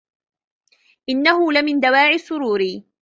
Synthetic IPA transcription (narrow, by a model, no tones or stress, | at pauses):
ʔɪnːaɦʊlɪmɪnd̪awaːʕɪsːʊɾuːɾi